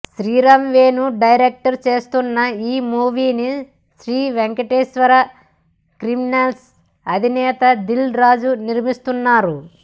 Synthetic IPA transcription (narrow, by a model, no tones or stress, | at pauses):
ʃɾiːɾɐmʋeːnuɖɐjɾek̚ʈɐɾt͡ʃe̞ːst̪unːɐiːmuːʋiːni | ʃɾiːʋeŋkɐʈeːʃʋɐɾɐ | kɾiminels | ɐd̪ʱinɛːt̪ɐd̪ilɾaːd͡ʒuniɾmist̪unːaːɾu